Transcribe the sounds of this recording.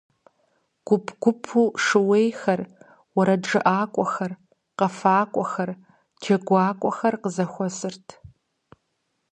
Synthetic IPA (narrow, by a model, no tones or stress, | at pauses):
ɡ̥ʷʊpʰɡʷʊpʰuːʂɨwejxɐr | wɐɾɐʈ͡ʂɨʔaːkʷʼɔxɐr | qɐfaːkʷʼɔxɐr | d͡ʒɐɡʷaːkʷʼɔxɐrqəzɐxʷɔsɨrtʰ